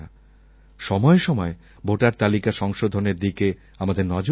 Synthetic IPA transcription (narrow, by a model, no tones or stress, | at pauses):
a | ʃɔmɔeʃɔmɔe | bʱoʈaɾt̪alikaʃɔŋʃod̪ʱoneɾd̪ike | amad̪eɾnɔd͡ʑo